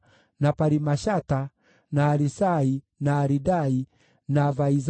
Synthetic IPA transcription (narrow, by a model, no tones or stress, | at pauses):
napaɾimaʃata | naːɾisai | naːɾidai | navaiz